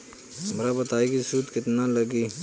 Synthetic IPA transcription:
mɾabɐt̪aːiɡisuːd̪kɪt̪nalɐɡiː

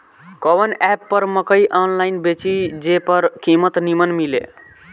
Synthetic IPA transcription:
kɔβənɛpːəɾməkəjʔɔnlainbet͡ʃid͡ʒepəɾkimət̪nimənmilḛ

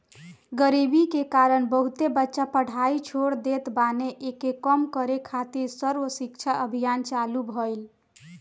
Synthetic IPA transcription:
ɡəɾibikekaɾəɳbəɦut̪ebətːʃapəɽ̤ait͡ʃʰoɽd̪et̪baneʔekːekəmkəɾekʰat̪iɾsəɾʋəsikt͡ʃʰaʔəbʱijant͡ʃalubʱəjl

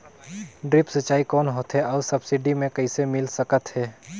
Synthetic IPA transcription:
ɖɾɪpsɐt͡ʃaːikɔːnɦoːt̪ɦɛɔːɾsɐbsɪɖimẽkɐisemɪlsəkət̪ɦɛː

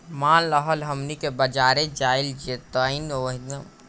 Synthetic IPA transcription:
maːnlɐɦɔːlɦɐmnikebɐd͡ʒaːɾed͡ʒaːɪld͡ʒet̪ainoːɦn

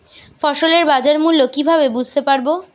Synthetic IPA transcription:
fɔʃoleɾbad͡ʑaɾmulːokibʱabebud͡ʑʱt̪epaɾbo

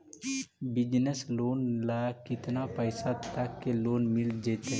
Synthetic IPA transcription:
bɪd͡ʒnəsloːnlaakɪt̪napəɪsat̪əkːeloːnmɪld͡ʒet̪eɦ

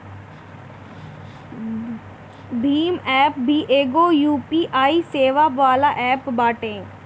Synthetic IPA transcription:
bʱiːmɛːp̚bʱiʔeːɡoːjuːpiːʔaːiseːʋaʋaːlaʔɛːpbaːʈẽː

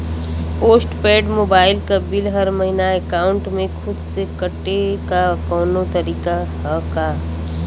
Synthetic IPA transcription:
poːsʈpeːɖmoːbaːɪlkabɪlɦɐɾmɐɦinaeːkaːʊ̃ɳʈmẽxʰʊd̪sekɐʈːekakɔːnot̪ɐɾiːkaɦɐkaː

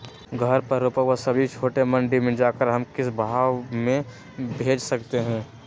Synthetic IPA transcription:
ɡʱɐɾpɐɾːuːpəkʋəsɐbʱit͡ʃʰoːʈemɐ̃ɳɖimẽd͡ʒaːkəɾɦɐmkɪsbʱaːʋmẽ | bʱeːd͡ʒsɐkt̪eɦɛ̃ː

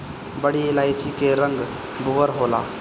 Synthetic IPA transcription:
bəɽ̤ilajt͡ʃikeɾəŋɡ | bʱuʋəɾɦoːla̰ː

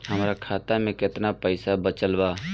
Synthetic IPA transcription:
həmɾakʰaːt̪amẽkɪt̪napəɪsabət͡ʃəlbaː

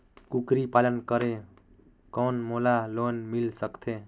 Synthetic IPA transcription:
kukɾipalənkəɾe | koːnmolalonmilsəkt̪ʰe

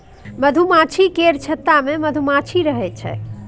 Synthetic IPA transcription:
məd̪ʱumat͡ʃʰikeɾt͡ʃʰət̪ːameməd̪ʱumat͡ʃʰiɾəɦɛt͡ʃʰɛ̰

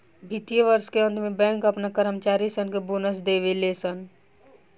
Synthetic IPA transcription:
bʱit̪ijəʋəɾskeə̃nt̪mebɛ̃ŋkəpnakəɾəmt͡ʃaɾisənkebonəs̬d̪eʋelesən

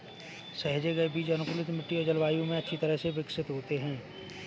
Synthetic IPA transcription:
sɐɦd͡ʒeɡɐebiːd͡ʒɐnʊkʊlɪt̪mɪʈːiod͡ʒəlʋaːjõmẽɐtːʃʰit̪ɐɾəɦseʋɪksɪt̪ɦoːt̪eɦɛ̃ː

